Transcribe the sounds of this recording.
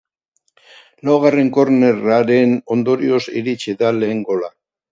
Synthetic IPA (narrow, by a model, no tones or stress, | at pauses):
lawɣ̞are̞ŋko̞ɾne̞raɾeno̞nd̪o̞ɾio̞sḭɾit͡ʃiðale̞ːŋɡo̞la